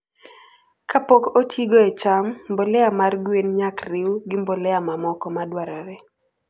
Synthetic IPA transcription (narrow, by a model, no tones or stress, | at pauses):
kʰapokotʰiɡoet͡ʃammbolɛamarɡwenɲakrɪwɡɪmbolɛamamɔkɔmadwaɾɔɾɛ